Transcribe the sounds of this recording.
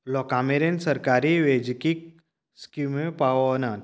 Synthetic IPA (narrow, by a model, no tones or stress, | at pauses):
lɔkaːmeɾensɐɾkaːɾiʋeːd͡ʒkik̚ | skumẽpaːʋonaːn